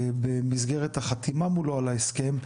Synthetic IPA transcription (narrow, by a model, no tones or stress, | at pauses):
bemizɡeʁet̪haχat̪imamuloalaeske̞m